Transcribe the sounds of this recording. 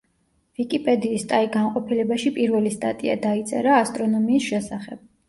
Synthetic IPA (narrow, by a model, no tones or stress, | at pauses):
vikʼipʼɛd̪iːst̪ʼaiɡanqʼɔpʰilɛbaʃipʼiɾvɛlist̪ʼa̰t̪ʼia̰d̪ait̪sʼɛ̰ɾaːst̪ʼɾɔnɔmiːsʃɛsaχɛb̥̚